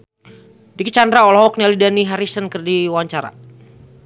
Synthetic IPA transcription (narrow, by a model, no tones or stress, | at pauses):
dikit͡ʃandɾaɔlɔɦɔk̚nialidaniɦaɾisənkɨrdiwaɲt͡ʃaɾa̰